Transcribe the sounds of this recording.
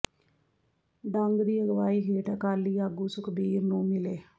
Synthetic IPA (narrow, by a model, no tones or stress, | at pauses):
ɖ̪ɐŋɡd̪iːəɡəʋaːiːɦeːʈakaːlːiːaɡuːsukəbiːɾnũːmɪleː